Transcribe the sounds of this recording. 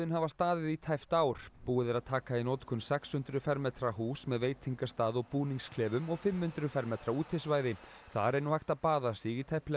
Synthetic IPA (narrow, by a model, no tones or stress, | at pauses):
ʏnhavast̪aːðɪðit̪ʰajft̪aːwɾ̥puːɪðɪɾaðt̪ʰaːkainowt̪kʰɔnsɛkshʏnt̪ɾʏfɛɾmɛt̪ɾaɦuːsmɛðveːjt̪ʰiŋkast̪aːðɔɣpuːniŋskʰlɛːvʏmɔɣfɪmhʏnt̪ɾʏfɛɾmɛːt̪ɾauːt̪ʰɪsvajðɪ | θa̰ɾɛnuhajht̪apaːðasiːɣit̪ʰajplɛ